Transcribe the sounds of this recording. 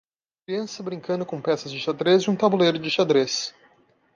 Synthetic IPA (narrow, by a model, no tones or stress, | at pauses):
kɾiɐ̃sɐbɾĩŋkɐ̃nd̪ʊkõpɛsɐzd͡ʒɪʃad̪ɾezɪũt̪abulejɾʊd͡ʒɪʃad̪ɾes